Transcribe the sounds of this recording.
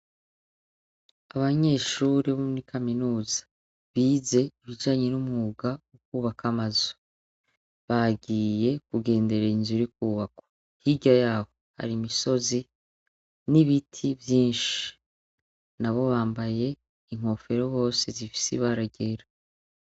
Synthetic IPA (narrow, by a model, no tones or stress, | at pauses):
aβaɲe̞ːʃuːɾiβomnikʰaminuːzḁ | βiːze̞iβid͡ʒaːɲe̞numŋuɡaukuːβakamazu̥ | βaɡiːje̞kuɡe̞ːnde̞ɾeinzuɾikuːβako̥ | hiɟajaːho̞ha̰ɾimiso̞zi | niβitʰivjiːnʃi̥ | naβo̞βaːmbaje̞ | iŋ̥o̞fe̞ɾo̞βo̞ːse̞zifi̥sḭβaɾaɟeɾa